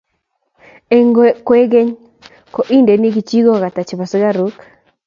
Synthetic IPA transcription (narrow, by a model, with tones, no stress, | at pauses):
e˨ŋɡkwe˦ɡe˦ɲ | ko˨ʔi˦nde˨ni˦ɡi˨t͡ʃi˦ɡɔ˦˨ka˨ta˨t͡ʃɪ˨ba˨sɔ˦ɡa˦ɾu˦k